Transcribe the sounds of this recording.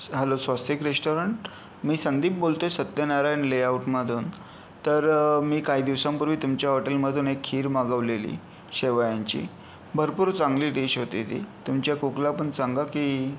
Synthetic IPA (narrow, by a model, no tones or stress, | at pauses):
ɦəlosʋast̪ʋikɾesʈoɾəɳʈ | miːsənd̪iːp̚bolt̪osət̪jenaɾajnleauʈməd̪ʱuːn | t̪əɾmiːkaɦiːd̪iʋsampuɾʋiːt̪umt͡ɕjaɦɔʈelməd̪ʱuːnekʰːiːɾmaɡəʋlelḭ | ɕeʋajaɲt͡ɕḭ | bʱəɾpuːɾt͡saŋɡliːʈiɕɦot̪it̪ḭːt̪umt͡ɕjakuklapəɳt͡saŋɡakiː